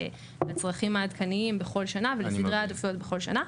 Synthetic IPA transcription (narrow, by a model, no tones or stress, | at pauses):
let͡sʁɐχimaːd̪kʰaniimbeχo̞lʃanavelefid̪ʁeat̪ofot̚beχo̞lʃa̰na